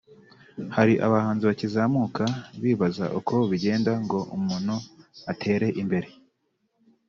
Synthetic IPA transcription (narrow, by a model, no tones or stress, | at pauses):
haɾiʔa̰βahaːnziβacizamukʰaβiːβaza̰ʔukʰo̞βiɟe̞ːndaŋɡo̞ʔumunuatʰe̞ːɾe̞ʔimbe̞ɾe̞